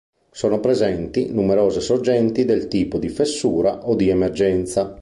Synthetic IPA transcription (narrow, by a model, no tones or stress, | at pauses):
soːnopɾezɛnt̪inumeɾɔːzesord͡ʒɛnt̪id̪elt̪iːpod̪ifesːuːɾaʔod̪iemerd͡ʒɛnt̪sa